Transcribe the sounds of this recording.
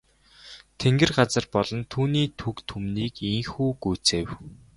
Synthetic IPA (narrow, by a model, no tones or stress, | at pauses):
t̪ʰeŋɡɘ̆rɢat͡sə̆rpɔɮɞ̆nt̪ʰuːniːt̪ʰukt̪ʰumniːkiŋxuːɡujt͡seːw